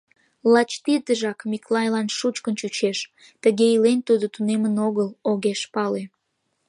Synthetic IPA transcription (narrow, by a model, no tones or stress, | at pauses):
lɑt͡ɕt̪id̪əʒɑkmiklɑjlɑnʃut͡ɕkənt͡ɕut͡ɕeʃ | t̪əɣeilent̪ud̪ot̪unemənoɣəloɣeʃpɑle